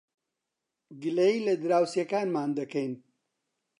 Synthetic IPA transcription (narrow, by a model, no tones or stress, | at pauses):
ɡɨlɐjiːlɐd̪ɨɾaːwsjɐkaːnmaːnd̪ɐkɐjn